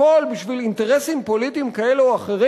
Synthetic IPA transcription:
olbiʃvilint̪eʁe̞simpo̞litiːmkae̞luaχeʁi

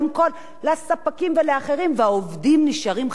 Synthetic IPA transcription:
mkolː | asapakimveleaχe̞ʁimveaovdimniʃaʁim

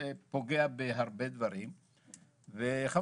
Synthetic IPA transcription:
epo̞ɡeabeɦaʁbed̪vaʁim | veχa

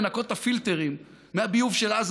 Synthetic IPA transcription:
nako̞tafilte̞ʁimː | eabiuvʃelaz

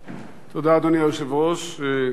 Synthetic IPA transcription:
t̪od̪ad̪onjaʃevoʃ

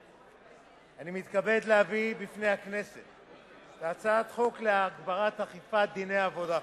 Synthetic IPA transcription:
animit̪kabe̞d̪lehavibifne̞jakne̞se̞t̪ | taːt͡sat̪χo̞kleaɡbaʁat̪haχifat̚d̪inejaːvo̞da

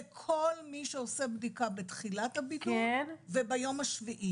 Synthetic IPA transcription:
ekʰo̞lmiʃeosebdikabetχilathabitunvebajo̞maʃviʔi

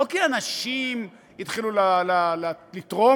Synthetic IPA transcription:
okianaʃim | it̪χilulalalalit̪ʁo

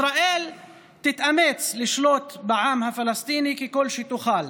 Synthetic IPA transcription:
ɾaʔel | t̪ɪt̪ʔamet͡slɪʃlot̪bɪʕaːmhafalast̪iːnikikolːʃit̪uxal

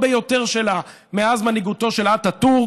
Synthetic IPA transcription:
bejo̞teʁʃela | meazmaniɡuto̞ʃelatatuʁ

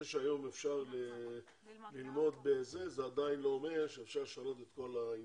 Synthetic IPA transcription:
eʃeajo̞mefʃaʁle | lilmo̞d̪beze̞zead̪ainlo̞ːmeʁʃeefʃaʁʃalo̞t̪et̪ko̞la

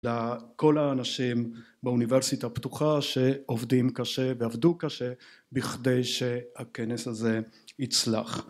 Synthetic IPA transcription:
lako̞laːnaʃim | beuniveʁsit̪apt̪uχaʃe̞ovdimkaʃe̞veavdukaʃe̞ | biχde̞jʃehake̞nesaze̞it͡sla̰χ

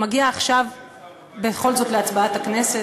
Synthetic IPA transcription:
maɡiaːχʃav | beχo̞lzo̞tle̞at͡sbaatakne̞se̞

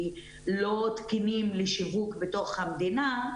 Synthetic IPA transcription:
lot̪kinimleʃivukbet̪o̞χhamd̪ina

